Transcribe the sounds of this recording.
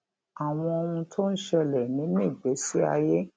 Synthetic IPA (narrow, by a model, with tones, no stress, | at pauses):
a˨w̃ɔ̃˧o˧ũ˧tʰo˦n̩˦ʃɛ˧lɛ˨nĩ˨˦nĩ˦˨ɡ͡be˨˦si˦a˧je˦